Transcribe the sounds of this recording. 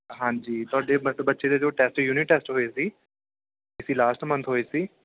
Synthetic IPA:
ɦãːɲd͡ʒiːt̪ʊaːɖeːbəbətːʃeːd̪eːd͡ʒoːʈɛːsʈjuːnɪʈːɛːsʈɦoːeːsiː | ɪsiːlaːsʈmə̃nt̪ʰɦoːeːsiː

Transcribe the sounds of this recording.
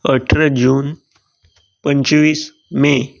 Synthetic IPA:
əʈʰɾəd͡ʑuːn | pəɲt͡ɕʋiːs | me

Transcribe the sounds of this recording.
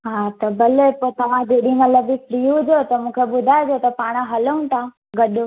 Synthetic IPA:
ɦaːt̪ɐbɐlepot̪ɐʋ̤ãd͡ʑeːɗĩmɐt̪ləbifɾijũd͡ʑot̪ɐmũːkʰeɓʊd̪ʱaɪd͡ʑot̪ɐpaːɽ̃ãɦɐləũnt̪ʰã | ɡɐɗõ

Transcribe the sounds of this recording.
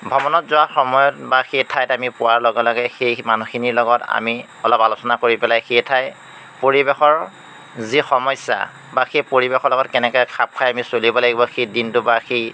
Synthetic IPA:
bʱɔmɔnɔtzʊwaxɔmɔjɔtbaxejtʰajtamipʊwaɹlɔɡɛlɔɡɛxejmanuxʰiniɹlɔɡɔta̰mi | ɔlɔpalʊsɔnakoɹipɛlajxejtʰaj | poɹibexɔɹ | zixɔmɔsa̰ | baxejpoɹibexɔɹlɔɡɔtkɛnɛkɔjkʰap̚kʰajamisolibɔlaɡibɔxejdintʊbaxej

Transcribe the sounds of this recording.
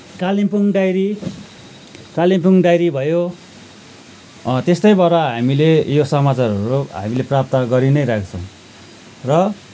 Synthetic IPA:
kalimpuŋɖajɾi | kalipuŋɖajɾibʱʌjo | t̪est̪ʌjbaɾaɦamilejosʌmat͡sarʌɾuɦa̰mileprap̚t̪ʌɡʌɾinʌjɾak̚ʰt͡sʰʌ̃w̃ | rʌ

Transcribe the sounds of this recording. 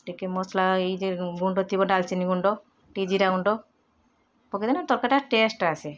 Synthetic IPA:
ʈikemɔslaejeɡuɳɖot̪ibɔɖalt͡ʃiniɡuɳɖo | ʈid͡ʑiɾaɡuɳɖo | poked̪anat̪ɔɾkaʈaʈesʈase

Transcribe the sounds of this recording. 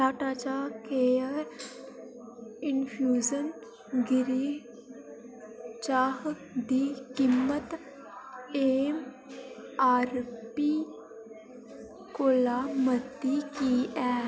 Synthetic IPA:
taːʈaːt͡ʃaːkeəɾ | ɪnpʰjuːd͡ʒən | ɡɪɾiː | t͡ʃaːɦ | d̪iːkimːət̪ | eːm | aːɾpi | koːlaːməd̪ikiɛː

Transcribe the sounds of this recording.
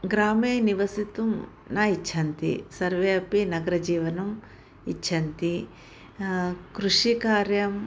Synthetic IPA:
ɡɾaːmeːniʋɐsit̪um | naːit͡ʃːʰɐnt̪ḭsɐɾʋeːɐpinɐɡɐɾɐd͡ʒiːʋɐnɐm | it͡ʃːʃʰɐnt̪i | kɾuʂikaːɾjɐm

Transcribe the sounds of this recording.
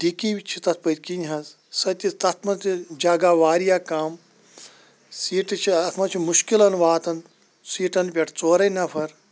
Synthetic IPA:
d̪̥ikiwit͡ʃʰit̪ɐt̪̚ʰpɐt̪ʲkinʲɦɐz | sɐt̪ʲit̪ɐt̪ʰmɐnt̪id͡ʒɐɡaːʋaːɾijaːkaːm | siːʈɨt͡ʃʰiɐt̪ʰmɐt͡ʃʰimuʃkilɐnʋaːt̪ɐnt̪ | siːʈɐnpʲɐʈʰt͡soːɾɐnɐpʰɐɾ

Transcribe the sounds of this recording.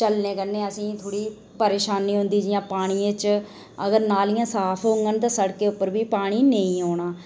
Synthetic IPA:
t͡ʃəlneːkənːeːəsĩːt̪ʰoːɽiː | pəɾeːʃaːnːĩːɦʊ̃nd̪iːd͡ʒɪjãːpaːɽ̃iːẽt͡ʃ | əɡəɾnaːlɪjãːsaːpʰõːŋɡənt̪ãːsəɽkeːʊpːəɾbiːpaːɽ̃iːnəĩːɦoːɽ̃ãː

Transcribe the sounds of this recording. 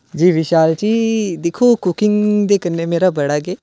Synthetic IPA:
d͡ʒiːʋɪʃaːlt͡ʃiːd̪ɪkʰoːkʊkɪ̃ŋɡd̪eːkənːeːmeːɾaːbəɽaːɡeː

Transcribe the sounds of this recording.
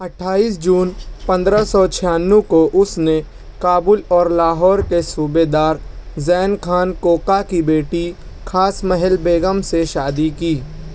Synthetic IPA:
ɐʈʰːaːiːsd͡ʒuːnpɐ̃nd̪ɾəsɔt͡ʃʰɪjaːnːukoʔʊsne | kaːbʊlɔːɾlaːɦɔːɾkesuːbed̪aːɾzɛːnkʰaːnkoːkakibeːʈi | kʰaːsmɛɦəlbeːɡəmseʃaːd̪ikiː

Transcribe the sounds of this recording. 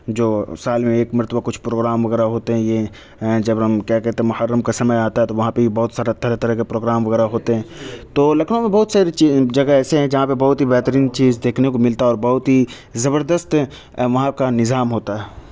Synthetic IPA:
d͡ʒoːsaːlmẽeːkmɐɾt̪əbakʊt͡ʃʰpɾoːɡɾaːmʋɐɣɛːɾaɦoːt̪eɦɛ̃je | ɛ̃d͡ʒɐbɦɐmkjaːkɛɦt̪ẽɦmʊhəɾːəmkasɐməjaːt̪aɦɛt̪oʋɐɦãpeibɐɦʊt̪saːɾat̪ɐɾet̪ɐɾəɦkepɾoːɡɾaːmʋɐɣɛːɾaɦoːt̪eɦɛ̃ːt̪oːlɐkʰnomẽbɐɦʊt̪saːɾet͡ʃid͡ʒɐɡəɛːseɦɛ̃d͡ʒɐɦãpebɐɦʊt̪ɦibɛɦt̪əɾiːnt͡ʃiːzd̪eːkʰnekomɪlt̪aɔːɾbɐɦʊt̪ɦi | zɐbəɾd̪əst̪ | ʋɐɦãkanɪzaːmɦoːt̪aɦɛː

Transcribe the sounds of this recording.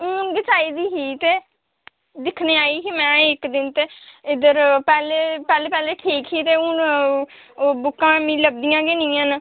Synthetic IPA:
ʊnɡɪt͡ʃaːiːd̪iːɦiːt̪eː | d̪ɪkʰneːaːiːɦiːmɛ̃ːɪkd̪ɪnt̪eːɪd̪əɾpɛːleːpɛːleːpɛːleːʈʰiːkɦiːt̪eːʊn | bʊkːãːmĩːləb̚d̪ijãːɡeːnĩːãːn

